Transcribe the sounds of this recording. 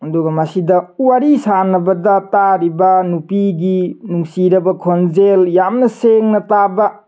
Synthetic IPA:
ɐduɡɐmasidɐuwaɾisanɐbɐdɐtaɾibɐnupiɡinuŋsiɾɐbɐkʰonzeljamnɐseŋnɐtabɐ

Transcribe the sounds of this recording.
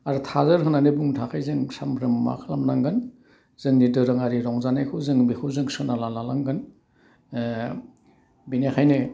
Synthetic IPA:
aɾutʰazɯɾɦɯnanebuŋtʰakʰajzɯŋsambʰɾɯmma̰kʰlamnaŋɡɯn | z̥ɯŋnidɯɾɯŋaɾiɾɔŋzanajkʰɯwzɯŋbikʰɯwzɯŋsɯnalalalaŋɡɯn | binekʰajne

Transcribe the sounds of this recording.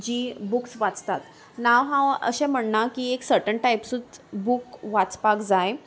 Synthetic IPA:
d͡ʑiːbuksʋat͡st̪at̪ | naʋɦãə̰ɕɛ̃m̤əɳnakieksəɾʈəɳʈajpsut͡sbukʋat͡spakd͡zaj

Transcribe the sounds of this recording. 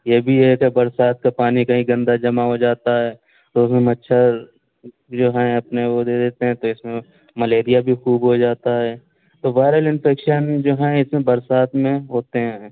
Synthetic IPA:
jebʱiɦɛkebɐɾsaːt̪̚kapaːnikaɦĩɡɐ̃nd̪ad͡ʒɐmaɦod͡ʒaːt̪aɦɛː | t̪oːsəmɐtːʃʰa | d͡ʒoːɦɛ̃ɐpneʋod̪eːd̪eːt̪eɦɛ̃t̪oɪsmẽ | mɐleːɾijabʱixuːbɦod͡ʒaːt̪aɦɛː | t̪oʋaːɪɾəlɪnpʰeːkʃənd͡ʒoːɦɛ̃ɪsmẽbɐɾsaːt̪mẽɦoːt̪eɦɛ̃

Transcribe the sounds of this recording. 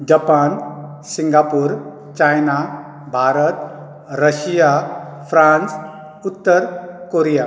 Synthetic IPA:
d͡ʒapan | sĩŋɡapuɾ | t͡ʃajna | bʱaːɾət̪ | ɾəsijapʰɾãns | ut̪ːəɾkoɾija

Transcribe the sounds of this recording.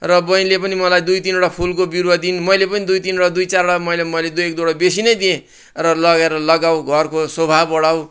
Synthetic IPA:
rʌbʌj̃lepʌnimʌlajd̪ujt̪inoɽapʰulkobiɾwad̪inmʌjlepʌnid̪ujt̪inoɽad̪ujt͡saroɽamʌjlemʌjled̪ujek̚d̪oɽʌbesinʌjd̪iẽ | rʌlʌɡeɾʌlʌɡawɡʱʌrkosʌbʱabʌɽaw

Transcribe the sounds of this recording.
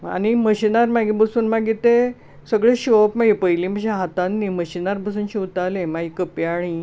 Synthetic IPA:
a̰niməɕinaɾmaɡibəsuːnmaɡit̪e | səɡɭeɕopmaɡipəjliːm̤əd͡ʑeɦat̪anːiməɕinaɾbəs̬uːnɕiut̪alemaɡikəpeaɽ̃i

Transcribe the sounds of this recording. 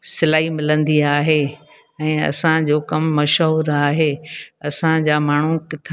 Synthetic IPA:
sɪlaːɦimɪlə̃nd̪iaːɦeː | ɛ̃ːɐ̰sãd͡ʑoːkɐmːɐʃɦuːɾaːɦeːɐsãd͡ʑaːmaːɳ̤ukɪt̪ʰ

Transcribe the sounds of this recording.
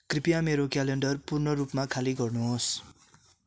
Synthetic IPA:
kripijameɾokaleɳɖʌrpurnʌrupmakʰaliɡʌrnuɦos

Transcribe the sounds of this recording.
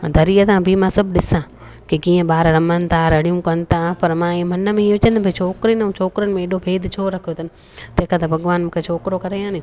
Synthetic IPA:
d̪ʱɐɾiːət̪ãbʱimãːsɐbɗɪsã | kikĩːə̃ɓaːɾɾɐmənt̪ʰaɾɐɽijũkɐnt̪ʰapɐɾmãːimɐnə̆mẽĩʋʊt͡ɕə̃nd̪bɐt͡ɕʰoːkɾinũt͡ʃʰoːkɾənɪ̆mẽeːɗobʱeːd̪t͡ɕʰoːɾɐkʰijot̪ʰɐnɪ | t̪ɐ̃ɦɪ̃kʰãːt̪ɐbʱɐɠʋaːnmũːkʰet͡ʃʰoːkɾokɐɾeːjãːnijũ

